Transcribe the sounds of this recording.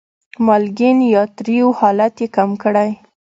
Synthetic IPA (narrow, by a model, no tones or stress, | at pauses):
mɑlɡɪnjɑt̪ɾiwhɑlat̪jekamkəɽaj